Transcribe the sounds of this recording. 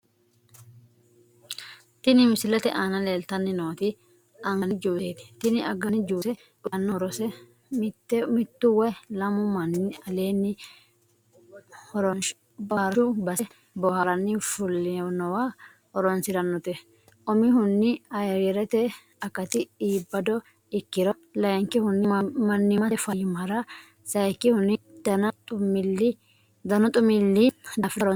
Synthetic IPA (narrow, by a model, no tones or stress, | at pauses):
t̪ɪnɪmɪsɪlɛt̪ɛʔaːnɐleːlt̪ɐnːɪnoːt̪ɪ | ɐŋɐnɪd͡ʒubeːt̪ɪ̥t̪ɪnɪɐɡɐnɪd͡ʒubsɛ | ʊnːɔɾɔsɛ | tːmɪt̪ːʊwɛlɐmʊmɐnːɪɐleːnːɪ | hɔɾɔn | bɐɾɔubɐsɛ | bɔhɐɾɐnːɪfʊlːɪnɔwa | hɔɾɔnsɪɾɐnːɔt̪ɛ | ʔɔmɪhʊnːɪɐjɾɛɾɛt̪ɛ | ɐkːɐt̪ɪiːbːɐd̪ɔ | ɪkːɪɾɔ | lɐjɛŋkːɪhʊnːɪmɐnːɪmɐɛfɐjɪmɐɾɐ | sɐjkːɪhʊnɪd̪̥ɐnɐt̪ʼʊmɪlːɪ | d̪ɐnɔt̪ʼʊmɪlːɪd̪ɐfɪɐɾɔ